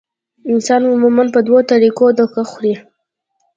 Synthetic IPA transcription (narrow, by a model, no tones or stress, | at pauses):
ɪnsɑnʊmumanpəd̪wot̪aɾikod̪əkaxuɾi